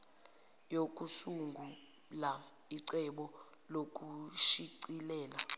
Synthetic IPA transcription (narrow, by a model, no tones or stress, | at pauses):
jok̬ʼusuŋɡʱu | la | iǀɛɓɔ | lok̬ʼuʃiǀilɛːla